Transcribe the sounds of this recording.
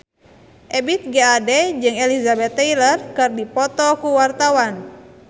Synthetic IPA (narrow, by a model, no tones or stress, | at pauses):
ʔɛbit̪̚ɡɛadɛd͡ʒɨŋɛlizabɛt̪ːɛilərkɨrdipɔt̪ɔkuwart̪awan